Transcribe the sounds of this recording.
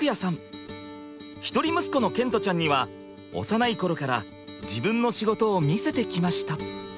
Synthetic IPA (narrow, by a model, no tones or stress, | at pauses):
kɯjasãɴ | çi̥t̪o̞ɾʲimɯ̟sɨ̥ko̞no̞kẽnt̪o̞t͡ɕãɲ̟ːiβa | o̞̰sanaiko̞ɾo̞kaɾa | d͡ʑibɯ̟̃nːo̞ɕiɡo̞t̪o̞ːmʲise̞t̪e̞kʲimaɕi̥t̪a